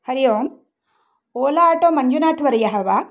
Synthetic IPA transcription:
hɐɾijoːm | oːlaːʈoːmɐɲd͡ʒunaːʈʰʋɐɾɐjɐɦɐʋa

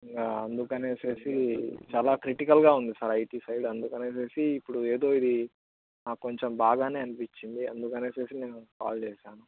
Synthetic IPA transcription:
iŋkaɐnd̪ukɐne̞ːse̞ːsit͡ʃaːlaːkɾiʈikɐlɡaːund̪isɐːɾɐjʈiːsɐjɖɐnd̪ukɐne̞ːse̞ːsiːpːuɽueːd̪o̞ːid̪i | naːkːo̞ɲt͡ʃembaːɡaːne̞ːɐnipit͡ʃːind̪iɐ̰nd̪ukɐne̞ːse̞ːsineːnuka̰ːlt͡ʃeːʃaːnu

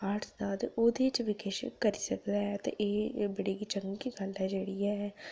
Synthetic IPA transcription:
aːʈʰd̪aːd̪ʔoːd̪et͡ʃʋɪkeʃəkəɾiːsəkd̪aːɦɛːt̪ḛ̃ʔeːbəɽeːɡit͡ʃəŋɡikiɡəlɦɛːd͡ʒeːɽiːɛ

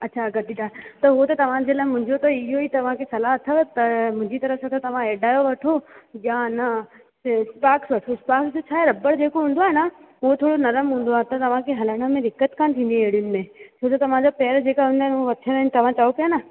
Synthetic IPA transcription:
ɐtːt͡ɕʰaɡɐd̪id̪aːt̪ɐɦt̪ɐt̪ɐʋ̤ãd͡ʑelaːɪmʊ̃ɦɪ̃ɲd͡ʑot̪ɐɪɦoit̪ɐʋ̤ãkʰesɐlaɦɐt̪ʰət̪ɐmʊ̃ɦɪ̃ɲd͡ʑit̪ɐɾəfsat̪ʰɐt̪ɐʋ̤ãeːɖaːjoʋɐʈʰojanɐ | spaːksʋɐʈʰospaːksd͡ʑot͡ɕʰaːɦeɾɐbəɽd͡ʑeːkoɦũːnd̪oaːɦenaɦuɦot̪ʰoːɽonɐɾəmɦũːn̆d̪oaːet̪ɐt̪ɐʋ̤ãkʰeɦɐləɽ̃ə̆mẽd̪ʱɪkːət̪kʰãːnt̪ʰĩːn̆d̪iɐɦɪɽijʊnɪ̆mẽt͡ɕʰoːt̪ɐt̪ɐʋ̤ãd͡ʑapɛːəɾd͡ʑeːkaɦũnd̪aːenɦoʋɐtʰəɾɐnt̪ɐʋ̤ãt͡ɕaʋopijana

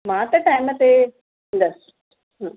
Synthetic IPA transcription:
mãːt̪ɐʈaːɪmət̪e | ɪ̃nd̪əs | ɦə̃ː

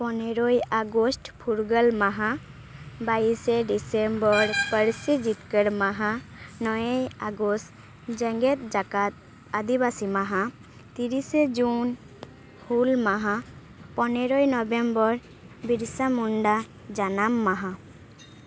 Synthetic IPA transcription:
pɔneɾɔjaɡɔsʈpʰuɾɡəlmaɦa | bajseɖisembɔɾpəɾsid͡ʒikəɽmaɦanɔjjaɡɔs | d͡ʒɛŋɡɛt̪̚d͡ʒakat̪̚ | ad̪ibasimaɦa | t̪iɾised͡ʒun | hulmaɦã | pɔneɾɔjnɔbembɔɾ | biɾsamuɳɖa | d͡ʒanamːaɦã

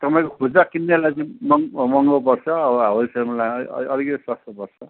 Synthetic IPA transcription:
t̪ʌpaĩkokʰod͡zakinːelajt͡sʌĩmʌŋmʌŋɡop̬ʌrt͡sʰʌːbʌaɦʌsemʌla̰ʌlikʌt̪iswʌst̪ʌpʌrt͡sʰʌ

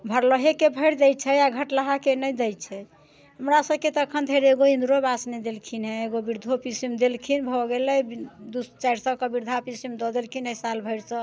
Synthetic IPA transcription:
bʱəɾləɦekebʱəjɾd̪ɛjt͡ʃʰɛaɡʱəʈləɦakenəjd̪ɛjt͡ʃʰɛ | ɦəmɾasəbket̪əkʰənd̪ʱeɾeɡoĩnd̪ɾobasnɛd̪elkʰinɦɛ̃eɡobiɾd̪ʱopisimd̪elkʰinbʱɔɡelɛd̪ust͡ʃaɾsə̃kəbiɾd̪ʱapisimd̪ɔd̪elkʰinəsalbʱəɪɾsə̃

